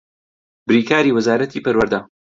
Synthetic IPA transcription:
bɾiːkʰaːɾiːwɨzaːɾɐt̪ʰiːpɐɾwɐɾd̪a

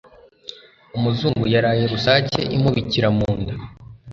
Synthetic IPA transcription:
umuzuːŋɡujaɾaje̞ɾusaːcḛʔimuβiciɾamuːndu

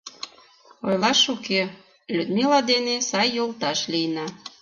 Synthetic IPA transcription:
ojlɑʃuke | lʲyd̪milɑd̪enesɑjːolt̪ɑʃlijnɑ

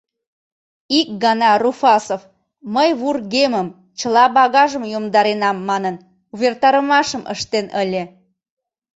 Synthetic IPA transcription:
ik̚ɡɑnɑrufɑsof | məjβurɣeməm | t͡ɕəlɑbɑɣɑʒəmjomd̪ɑɾenɑmːɑnən | uβert̪ɑɾəmɑʃəmʔə̰ʃt̪enəlʲe

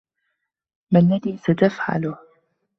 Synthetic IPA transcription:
malːaðiːsat̪afʕa̰lʊ

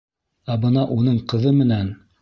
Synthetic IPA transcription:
æbɤnɑʔunɤɴqɤ̆ðɤmɘ̆næn

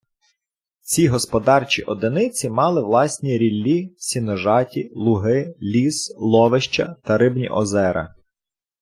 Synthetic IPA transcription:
t͡sʲiɦɔspɔd̪ɑrt͡ʃʲiʔɔd̪enɪt͡sʲimɑlˠɪʋlˠɑsʲnʲiɾʲilʲːisʲinɔʒɑtʲilˠʊɦɪlʲislˠɔʋeʃt͡ʃɐ̰t̪ɐɾɪbnʲḭʔɔ̰zɛɾɐ̰

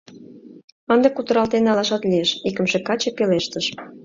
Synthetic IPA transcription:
ənd̪ɤkut̪ə̆ɾɑlt̪enɑlɑʃɑt̪lieʃikə̆mʃekɑt͡ɕepeleʃt̪əʃ

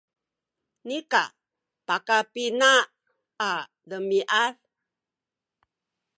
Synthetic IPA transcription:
nika̰ | pakapinaː | dəmiʔaɾ

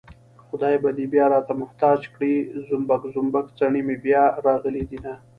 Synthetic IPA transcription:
xʊd̪ɑːjebad̪ibjɑɾɑt̪amʊht̪ɑːd͡ʒkɽizʊmbakzʊmbakt͡saɳimebjɑɾɑɣəlid̪ina

